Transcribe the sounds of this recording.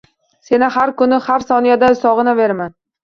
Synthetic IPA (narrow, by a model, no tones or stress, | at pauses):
se̞nɪhaɾkʊnɪhaɾsɒnijad̪aʊsɒʁɨnave̞ɾman